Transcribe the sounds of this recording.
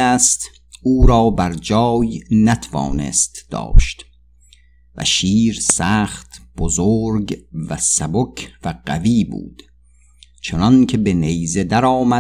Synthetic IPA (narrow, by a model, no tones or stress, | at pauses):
æːst̪ | uːɾɒːbæɾd͡ʒɒːjnæt̪ʰavɒ̰ːne̞̰st̪d̪̥ɒ̰ːʃt̪ | væ̰ʃiːɾsæːχt̪b̥ozoːɾɡvæsæbokʰvæɢ̥æ̰viːbṵːd̪̥ | t͡ʃʰonɒnkʰe̞be̞nejze̞d̪æɾɒːmæ